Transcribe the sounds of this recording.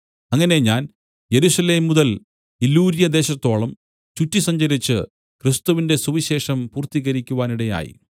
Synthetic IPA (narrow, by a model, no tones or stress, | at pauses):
ɐŋːɐne̞ɲaːn | je̞ɾusɐle̞ːmːuðɐl | ilːuːɾjɐd̪e̞ːɕɐt̪ːo̞ːɭɐm | t͡ɕutːisɐɲd͡ʑɐɾit͡ɕːɨ | krist̪uʋinde̞suʋiɕe̞ːʂɐmpuːrt̪iɣɐɾikʲːuʋaːniɽe̞ja̰ːjḭ